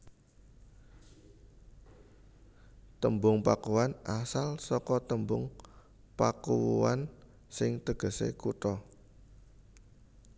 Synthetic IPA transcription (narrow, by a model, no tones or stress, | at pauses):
t̪əmbʊŋpakuwanʔasalsɔkɔt̪əmbʊŋ | pakuwuwa̰n | sɪŋt̪əɡ̥ə̤sḛkut̪ɔ